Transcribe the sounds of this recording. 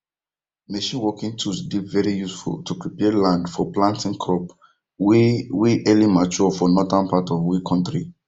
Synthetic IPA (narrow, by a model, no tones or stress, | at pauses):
neʃɔ̃nwɔkĩŋtʰusdivɛɹijusfṵltʰupɹipɛlãndfɔplãntĩŋkʰɔp | wiʔɛlimat͡ʃɔfɔnɔtãnpatɔvwikʰɔ̃ntɹi